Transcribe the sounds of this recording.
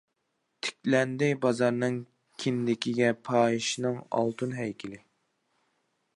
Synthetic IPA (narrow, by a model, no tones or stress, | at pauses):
t̪ʰɪ̥kʲlɛnd̪ɪjbɑzɑɾnɨŋ | kʲʰind̪ɪkʲʰiɡʲɛpʰɑːiʃinɨŋɑ̰lˠt̪ʰunɦɛjkʲʰilɪ